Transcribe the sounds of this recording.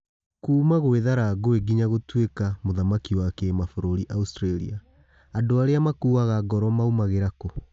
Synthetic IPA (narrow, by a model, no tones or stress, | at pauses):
kuːmaɣoeðaɾaɡoeɡiɲaɣotwekamoðamakiwakemafoɾoɾiʔaustɾalia | andoaɾeamakuːwaɣaɡɔɾɔmaumaɣeɾako